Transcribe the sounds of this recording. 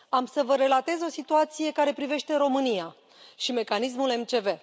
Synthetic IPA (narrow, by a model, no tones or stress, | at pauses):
amsəvəɾe̞lat̪e̞zo̞sit̪uat̪sije̞kaɾe̞pɾive̞ʃt̪e̞ɾo̞mɨnija | ʃime̞kanis̬mule̞mt͡ʃe̞ve̞